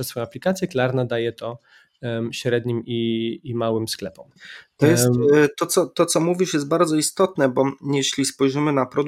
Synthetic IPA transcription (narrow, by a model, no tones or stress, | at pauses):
ɛsfɔjɔ̃aplʲikat̪sʲjɛklaɾnad̪ajɛt̪ɔ | ɕɾɛd̪ɲimiːmawɘmsklɛpɔmt̪ɔjɛstt̪ːɔt̪sɔt̪ɔt̪sɔmuvʲiʂjɛst̪̚baɾd̪zɔist̪ɔt̪nɛbɔjɛɕlʲispɔjʐɘmɘnapɾɔd̪